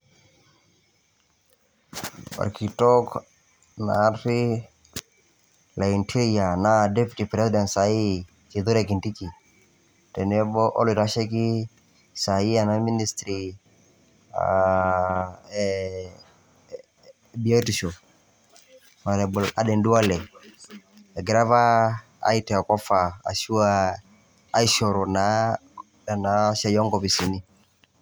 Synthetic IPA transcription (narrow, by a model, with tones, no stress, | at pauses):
ba̰˨ɾkʰi˨tɔ˦k | na˨˦ri˦ | la˨i˨ntʰi˦ɾia˨na˦dɛ˦pi˨ti˨pɾɛ˦si˦dɛ˨nsa˨i˦ | ki˨ðo˦ɾɛ˨ki˨nti˦ki˨ | tɛ˨n˦ɛ˦bɔ˦ʔɔ̰˦li˨ɾa˦ʃɛ˦ki˦ | sa˨i˦a˨na˦mi˦ni˦st̪ɾi˨ | a̰ | bi˨ɔ˦ti˨ʃɔ˨ | ma˨ɾɛ˨bʊ˨la̰˨dɛ˨ndu˦a˦lɛ˨ | ɛ˨ɡɾa˦va˦ | a̰˦i˦tɛ˨a˨kɔ˦fa˨a̰˨ʃu˦aː˦˨˦ | i˦ʃɔ˨ɾɔ˨na˨˦ | a˨na˨˦ʃa˦jɔ˦ŋɡɔ˨pi˨si˨ni˦